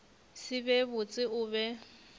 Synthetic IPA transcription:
sɪbɛbʊt͡sʼɪʊːβɛ

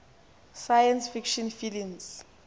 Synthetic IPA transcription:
sajansfikʃɔnfilims

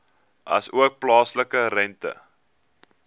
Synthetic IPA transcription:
ʔɐsuək̚plɑːsləkəɾɛntə̰

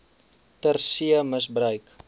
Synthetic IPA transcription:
tərsiəməsbrœɥk

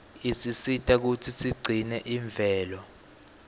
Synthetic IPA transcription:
isisitʼak̬utʰisiɡ͡ǀʱinɛʔiɱb̪vʱɛːlɔ

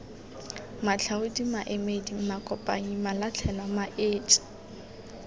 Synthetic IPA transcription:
mat͡ɬʰaʊdimaʔemedimakʼɔpʼa̰ɲimalat͡ɬʰɛlamaʔeːt͡ʃʼ

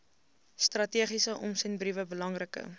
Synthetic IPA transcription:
strɐtiəχisəʔɔmsɛnbrivəbəlɐŋrəkə̰

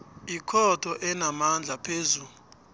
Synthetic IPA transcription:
ikʰɔtʰɔʔɛnamand͡ɮʱapʰezuːlu

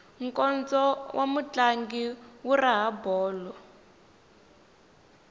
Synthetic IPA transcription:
ŋ̩kɔnd͡zɔwʔamut͡ɬaŋɡiwuraɦabɔːlɔ

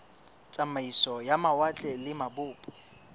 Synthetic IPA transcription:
t͡sʼamaisɔjamawat͡ɬʼɛlɪmabʊːpʼɔ̥

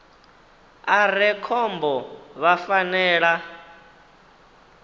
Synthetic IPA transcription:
aɾɛkʰɔmbɔβafanɛːɺa

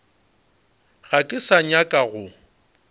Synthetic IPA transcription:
ɣakʼɪsaɲakʼaɣʊ

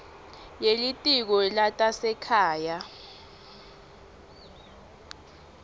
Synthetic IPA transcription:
jelitʼik̬ɔlatʼasɛkʰaːja

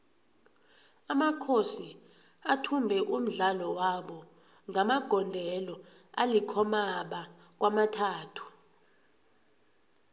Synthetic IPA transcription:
amakʰosi | atʰumbʱɛʔum̩ɮalɔwaɓɔ | ŋamaɡ̥ʱɔndʱɛlɔalikʰɔmaɓa | k̬wamatʰaːtʰu̥

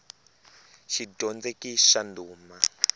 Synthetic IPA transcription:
ʃidɔnd͡zekiʃanduːma

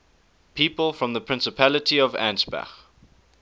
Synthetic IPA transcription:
pʰiːˑpəlˠfɹə̃mðəpʰɹɪ̃nsəpʰælətʰiɔvæ̰̃nsbæ̰x

